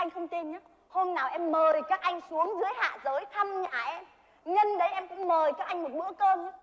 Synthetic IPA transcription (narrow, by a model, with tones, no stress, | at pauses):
ʔa˧jŋ̟xə˧wŋ͡mt̪i˧nɲa˨˦ | ho˧nnaː˨˩wʔɛ˧mːəː˨˩i˨˩kaː˦˥k̚ʔa˧jŋ̟su˨˦əŋzɨ˨˦əjha̰ː˧˨zəː˨˦jt̪ʰa˧mɲa̰ː˧˨ʔɛ˧m | ɲə˧nɗə˨˦jʔɛ˧mkʊ̰˧˥ŋ͡mməː˨˩kaː˦˥k̚ʔa˧jŋ̟mo˨˩t̚ɓɨ̰˧˥əkəː˧m˨˦˥